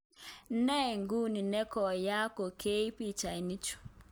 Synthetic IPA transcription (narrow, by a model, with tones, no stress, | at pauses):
n̩˦nɛ˦˨ŋ˨ɡu˦˨ni˨nɛ˦kɔ˨ja˦ko˨kʰe˦i˦pi˦˨t͡ʃa˨i˨ni˦t͡ʃu̥˨